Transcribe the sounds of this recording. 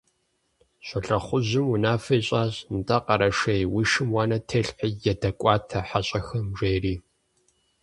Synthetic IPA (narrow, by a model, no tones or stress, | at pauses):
ɕʼɐɬɐχʷʊʑɪmunaːfɐjɕʼaːʑnɨtʼɐqɐɾɐʂɐjwiʃɪmwɑːnɐtʰeːɬħijɛdɐkʷʼɑːtʰɐħaɕʼɐxɐmʐejriː